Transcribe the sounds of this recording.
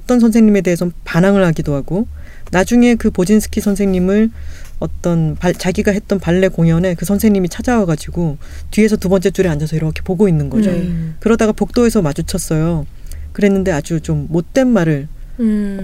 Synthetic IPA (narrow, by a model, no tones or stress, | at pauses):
ʌt͈ʌnsʰʌnsʰeŋɲime̞deɦesʰʌpanaŋɯɭhaɡidoɦaɡo | nad͡ʑuŋe̞kɯpod͡ʑinsʰɯ̥kʰisʰʌnsʰe̞ŋɲimɯɭ | ʌt͈ʌnpat͡ɕaɡiɡaɦe̞t̚t͈ʌnpaɭːe̞koŋjʌne̞kɯsʰʌnsʰeŋɲimit͡ɕʰad͡ʑawʌɡad͡ʑiɡo | tɥie̞s̬ʰʌtubʌnt͡ɕ͈et͡ɕ͈uɾeand͡ʑasʰʌiɾʌkʰe̞poɡoinːɯnɡʌd͡ʑokɯɾʌdaɡapok̚t͈oe̞sʰʌmad͡ʑut͡ɕʰʌs͈ʌjo | kɯɾe̞nːɯnde̞ad͡ʑut͡ɕomːot̚t͈e̞nmaɾɯɭ